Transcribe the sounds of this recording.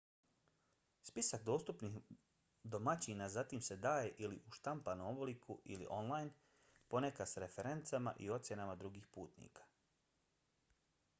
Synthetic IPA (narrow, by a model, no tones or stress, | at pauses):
spisakd̪o̞ːst̪upnix | d̪o̞mat͡ɕinazat̪imse̞d̪aːje̞ʔiliʔuʃt̪ampanooblikʰuʔḭlḭʔo̞nlˠajn | po̞ne̞kasɾe̞fe̞ɾe̞nt̪sama̰ʔio̞t̪sje̞namad̪ɾuɡiːxpuːt̪nḭːkḁ